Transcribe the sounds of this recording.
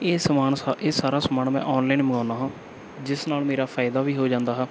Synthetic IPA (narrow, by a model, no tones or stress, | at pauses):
eːsmaːɳeːsaːɾaːsəmaːɳmɛ̰̃ːʔɔːnlainməɡãːnaːɦãː | d͡ʒɪsnaːlmeːɾaːpʰaːɪd̪aːʋiːɦoːd͡ʒãːnd̪aːɦɛː